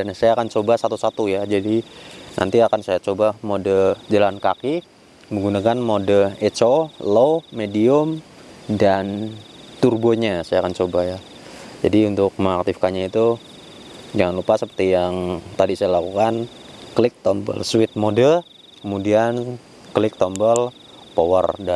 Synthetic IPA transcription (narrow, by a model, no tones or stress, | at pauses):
dansajaːkant͡ʃobasat̪usat̪ujad͡ʒadinʔa̰nt̪iakansajat͡ʃobamodəd͡ʒalankaki | məŋɡunakanmodəet͡ʃoloːediʊmdant̪urboɲasajakant͡ʃobaja | d͡ʒadiunt̪ʊk̚məŋak̚t̪ɪfkaɲait̪u | d͡ʒaŋanlupasəpərt̪ijaŋt̪adisajalakukanklɪk̚t̪ɔmbə̰lswɪt̪̚modə | kəmudian | klɪk̚t̪ɔmbəl | powə̰rda